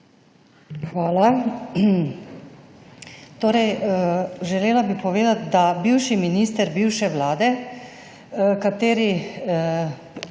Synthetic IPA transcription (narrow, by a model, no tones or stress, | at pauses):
xʋaːla | t̪oːɾɛj | ʒɛleːlabipɔʋeːd̪at̪d̪abiwʃiminiːst̪ɛɾbiːwʃɛʋlaːd̪ɛ | kat̪eːɾi